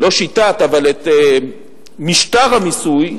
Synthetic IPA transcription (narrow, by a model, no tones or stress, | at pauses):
lo̞ʃit̪at̪avalet̪e | miʃt̪aʁhamisuj